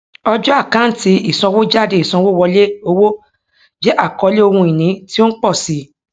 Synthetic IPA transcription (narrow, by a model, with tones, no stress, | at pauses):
ɔ˧d͡ʒɔ˦a˦˨kã˨˦n̩˦ti˧i˨sɔ̃˧wo˦d͡ʒa˦˨de˧˨i˨sɔ̃˧wo˦˨wɔ˧le˦o˧wo˦ | d͡ʒɛ˦ʔa˦˨kɔ˧˦le˦o˧hũ˧i˨nĩ˨˦ti˦o˦n̩˦k͡pɔ˦˨si˨˧˦